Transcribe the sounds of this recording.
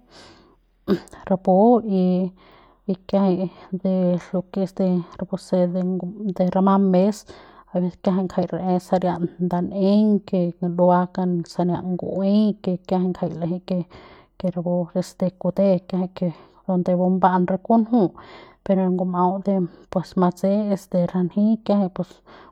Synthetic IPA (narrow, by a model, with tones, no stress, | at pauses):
ɾa˧bo˧iː˧ | kja˧ha˧d̪e˧lo˧ke˧sd̪e˧ɾa˧bo˧se˧d̪ed̪e˧ɾa˧ma˧me˦sa˧be˧skja˧ɦa˧˨ŋkʰa˧jɾa˨ʔe˧sa˧ɾja˧ʔnnd̪a˧ne˦ŋke˧lu˧a˧ka˧nsa˧nja̰˧ʔŋɡṵ˧ʔe˦ke˧kja˧he˧ŋkʰa˧jla˧ɦi˧ke˧ | ke˧ɾa˧bo˧e˧st̪e˧ku˧d̪e˦kja˧hi˧ke˧ | d̪o˧nd̪e˧bo˧mba˦ʔnɾa˧ku˦nɦu˦pe˧ɾo˧ŋɡo˧ma˧wd̪e˧pwe˨sma˧t͡se˦e˧st̪e˧ɾa˧nhĩ˦kja˧he˧pe˧s